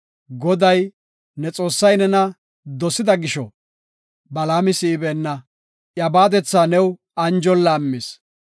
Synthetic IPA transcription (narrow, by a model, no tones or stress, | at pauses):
ɡɔd̪ɐj | nɛt͡sʼo̞ːsːɐjnɛnɐ | d̪ɔsɪd̪ɐɡɪʃɔ̰ | bɐlaːmɪsiːbɛnːɐ | ʔjɐbaːd̪ɛt͡sːaːnɛw | ɐnd͡ʒɔlːaːmːɪs